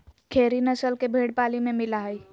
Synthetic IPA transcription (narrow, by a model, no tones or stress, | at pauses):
kʰeɾinəsəlkebʱeɽpalimemilaɦəj